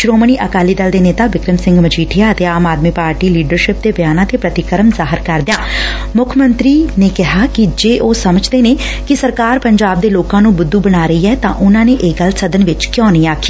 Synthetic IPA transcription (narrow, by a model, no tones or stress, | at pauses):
ʃɾoːməɳ̃iːʔəkaːliːd̪əld̪eːneːt̪aːʋɪkɾəmsɪ̃ŋɡmət͡ʃʰiːʈʰɪjaːət̪eːaːmaːd̪miːpaːɾʈiːliːɖəɾʃɪp̚d̪eːbəjaːnãːt̪eːpɾət̪ɪkəɾəmzaːɦəɾkəɾd̪ɪjãː | mʊkʰmənt̪ɾiːneːkɪɦaːkɪd͡ʒeːʔoːsəməd͡ʒd̪eːnẽː | kɪsəɾkaːɾpəɲd͡ʒaːb̚d̪eːloːkãːnũːbʊd̪ːuːbəɽ̃aːɾəiːɛːt̪ãːʔʊnãːneːʔeɡəlsəd̪ənʋɪt͡ʃkjɔ̃ːnĩːaːkʰiː